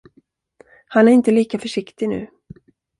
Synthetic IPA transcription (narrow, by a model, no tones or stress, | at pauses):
hanæɾɪnt̪əliːkafœʂɪkt̪ɪnʉ̟̰ː